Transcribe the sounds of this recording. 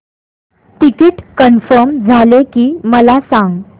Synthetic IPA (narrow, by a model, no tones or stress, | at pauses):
ʈikiʈkənfəɾmd͡zʱalekiːməlasãŋɡ